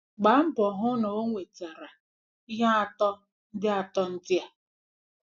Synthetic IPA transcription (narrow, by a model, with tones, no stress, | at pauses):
ɡ͡ba˨˦m̩˦bɔ˨ɦʊ˦no˨o˦ŋʷe˨ta˨ɾa˨ | i˦ɦa˦a˦tɔ˦ | n̩˦dɪ˦a˨tɔ˦n̩˦dɪ˦a˨